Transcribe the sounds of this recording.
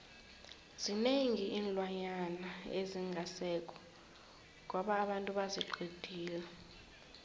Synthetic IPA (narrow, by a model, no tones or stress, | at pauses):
zineŋiʔiːnlwaɲanaeziŋɡʱasɛkʼɔ̥ | ŋɔɓaːɓantʼuɓaziǃʱid̥ʱiːla